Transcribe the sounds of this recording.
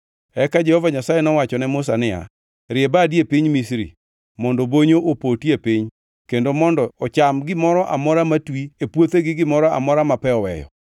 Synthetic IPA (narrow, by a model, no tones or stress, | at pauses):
ɛkad͡ʒɛhɔvaɲasajenɔwat͡ʃɔnɛmʊs̬anɪa̰ | ɾɪebadjepɪɲmisɾḭ | mɔndɔboɲoʔopotjepɪɲ | kendomɔndɔɔt͡ʃamɡɪmɔɾɔʔa̰mɔɾamatwiepwot̪eɡɪɡɪmɔɾɔa̰mɔɾamapɛɔwɛ̰jɔ̰